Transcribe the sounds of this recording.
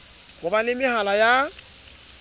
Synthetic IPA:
kʊbanɪmɪhalaja

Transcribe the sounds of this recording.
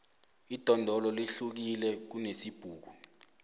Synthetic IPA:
id̥ʱɔndʱɔlɔliɬuk̬ilɛk̬unesib̥ʱuːk̬u

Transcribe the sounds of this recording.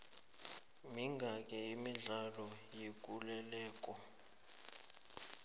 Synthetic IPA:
miŋɡʱakʼɛimiɮalɔjek̬ʼulɛlɛːk̬ʼɔ

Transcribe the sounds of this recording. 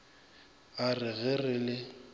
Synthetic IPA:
arɪɣɛrɪlɪ

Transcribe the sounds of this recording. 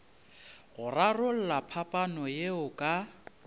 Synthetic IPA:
ɣʊrarʊl̩lapʰapʼanɔjeʊkʼa

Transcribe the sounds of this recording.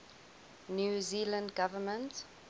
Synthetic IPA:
njuːziːlə̃ndɡavəmə̃nt

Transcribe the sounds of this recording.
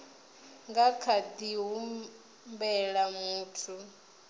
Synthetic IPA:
ŋɡakʰad̪iɦum | mbɛɺamuːtʰu

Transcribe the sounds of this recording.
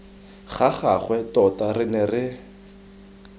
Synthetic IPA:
χaχaχwɛtɔtarɪnɛrɪ

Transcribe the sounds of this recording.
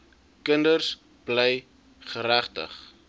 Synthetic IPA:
kəndərs | b̥lɛj | χəɾæχtə̰χ

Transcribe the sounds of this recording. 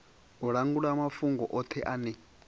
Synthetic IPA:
ɔɺaŋɡuɺamafuŋɡɔʔɔt̪ʰɛʔanɛ

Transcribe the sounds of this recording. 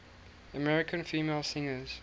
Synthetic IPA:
əmɛɹɪkʰə̃nfiːmeːlˠsɪ̃ŋəz̥

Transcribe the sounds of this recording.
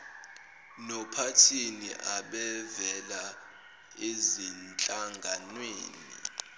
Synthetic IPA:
nɔpʰatʰinḭʔaɓɛvɛla | ezint͡ɬʼaŋɡʱanweːnḭ

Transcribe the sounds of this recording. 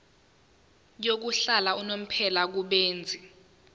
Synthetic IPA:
jok̬uɬalaunom̩pʰɛlak̬uɓeːnd͡zʱi

